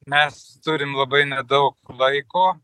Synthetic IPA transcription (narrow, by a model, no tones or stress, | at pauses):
mʲɛst̪ʊɾʲɪmlˠɐbɐɪnʲɛd̪ɐʊklˠɐɪkoː